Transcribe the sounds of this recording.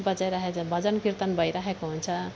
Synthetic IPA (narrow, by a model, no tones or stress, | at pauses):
bʌd͡zajɾaɦet͡sʰʌbʱʌd͡zʌnkirt̪anbʱʌjɾaɦekoɦunt͡sʰʌ